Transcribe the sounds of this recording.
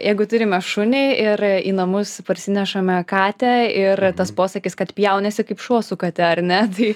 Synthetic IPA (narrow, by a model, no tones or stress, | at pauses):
jɛɪɡʊt̪ʊɾʲɪmʲɛʃʊnʲɪɪʔɪrḭːnɐmʊspɐɾʲsʲɪnʲɛʃɐmʲɛkɑːt̪ʲɛɪrt̪ɐspoːsɐkʲɪskɐt̪pʲjɛʊnʲɛsʲɪkɐɪpʃuɔsʊkɐt̪ʲɛɐrnʲɛt̪ɐɪ